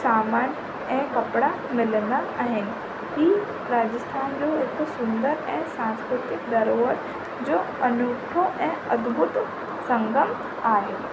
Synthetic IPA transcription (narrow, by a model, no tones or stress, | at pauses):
saːmaːnjə | ɛ̃ːkɐpɽa | mɪlnd̪aɐɦɪn̆ | ki | ɾaːd͡ʒəst̪ʰaːnd͡ʒoːeːkosʊnd̪əɾɛ̃ːsãːnskɾʊt̪ɪkd̪ɐɾoːʋəɾ | d͡ʒoː | ɐnʊʈ̪ʰoɛ̃ːɐd̪bʱʊt̪ | sɐ̃ŋɡəm | aːɦeː